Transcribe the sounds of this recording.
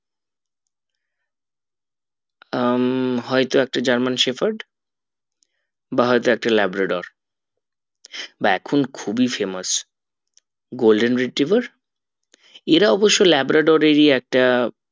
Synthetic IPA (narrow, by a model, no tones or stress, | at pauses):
ɦɔet̪oɛk̚ʈad͡ʑaɾmanʃefaɾɖ | baɦɔejt̪oɛk̚ʈalɛbɾaɖoɾ | baɛkʰonkʰubifemas | ɡolɖenɾiʈɾivaɾ | eɾaɔboʃːolɛbɾaɖoɾeɾiɛk̚ʈa